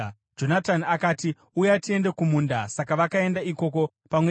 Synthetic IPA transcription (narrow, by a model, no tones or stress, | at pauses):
d͡ʒo̞natanakaːti | ujatie̞nde̞kumuːndasakaʋakae̞ndaiko̞ko̞ | pamwe